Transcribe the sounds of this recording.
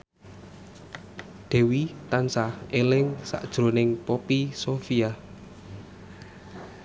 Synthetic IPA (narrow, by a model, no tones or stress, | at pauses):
d̪̥ɛ̤wit̪ansahelɪŋsa̰ʔd̥ʒ̥ɾonɪŋpopisofia